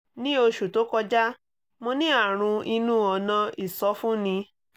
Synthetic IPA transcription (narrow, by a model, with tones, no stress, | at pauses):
nĩ˦o˧ʃu˨to˨˦kɔ˧d͡ʒa˦ | mo˧nĩ˦a˦˨ɾ̃ũ˧i˧nũ˦˨ɔ˨˦nã˧i˨sɔ˨˧˦fũ˦nĩ˧